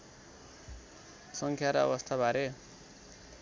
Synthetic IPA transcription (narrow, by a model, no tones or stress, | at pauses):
sʌŋkʰjaɾaʌ̰bʌst̪ʰabʱaɾe